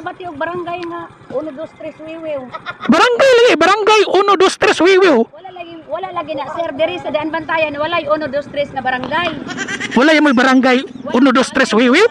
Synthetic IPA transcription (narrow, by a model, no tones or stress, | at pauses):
bat̪iʊɡ̚baɾaŋɡajŋa | ʊnʊdost̪ɾɛswiwɪwbaɾaŋɡajlaɡibaɾaŋɡajʊnʊdost̪ɾɛswiwɪwwalalaɡiwalaʔlaɡinaʔsɛrdɪɾisadaʔanbant̪ajanwalajʊnʊdost̪ɾɛsnabaɾaŋɡajwalajamʊjbaɾaŋɡajʊnʊdost̪ɾɛswiwɪw